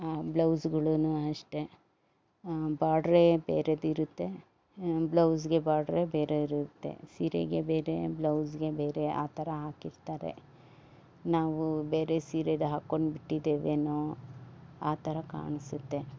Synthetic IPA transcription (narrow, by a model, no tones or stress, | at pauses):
ablɐwsɡɐɭunuɐʂʈe̞ | baːɖɾebḛːɾed̪iɾut̪ːe̞ | blɐws̬ɡe̞baːɖɾebeːɾeiɾut̪ːe̞̰siːɾḛɡebeːɾe̞blɐwsɡe̞beːɾe̞a̰ːt̪ʰɐɾɐɦaːkiɾt̪aːɾe̞̰ | naːʋubeːɾesiːɾed̪ɦaːkːoɳɖbiʈːid̪eːʋenoː | aːt̪ʰɐɾɐka̰ːɳisut̪ːe̞